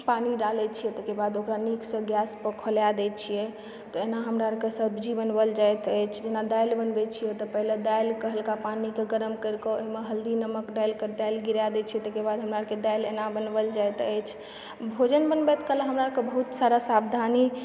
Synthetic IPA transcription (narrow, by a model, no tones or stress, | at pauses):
paniɖalɛt͡ʃʰijɛt̪əkebad̪okɾaniksə̃ɡjaspəkʰəljad̪ɛt͡ʃʰijɛ | t̪ɔenaɦəmɾaɾkesəbd͡ʒibənbəld͡ʒajt̪əjt͡ʃʰd͡ʒenad̪ajlbənbɛt͡ʃʰijɛt̪ɔpəɦiled̪ajlkəɦəlkapanikeɡəɾəmkəɾkɔoɦimeɦəld̪inəməkɖajlkəɾt̪ajlɡiɾjad̪ɛt͡ʃʰijɛt̪əkebad̪ʱɦəmɾaəked̪ajlenabənbəld͡ʒajt̪əjt͡ʃʰ | bʱod͡ʒənbənbɛt̪kəlaɦəmɾaəkebəɦut̪saɾasabd̪ʱani